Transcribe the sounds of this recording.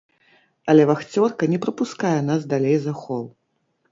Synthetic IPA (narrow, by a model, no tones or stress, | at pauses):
ɐlʲɛvaxt͡sʲɔrkɐnʲɛpɾɐpuskajɛn̪asd̪alʲejzɐxɔlˠ